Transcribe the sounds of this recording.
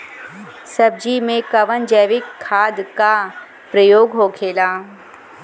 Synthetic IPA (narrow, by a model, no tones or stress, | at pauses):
sɐb̚d͡ʒimẽkɐʋənd͡ʒəʋɪkʰːaːd̪ka | pɾəjoːɡɦokʰeːlaː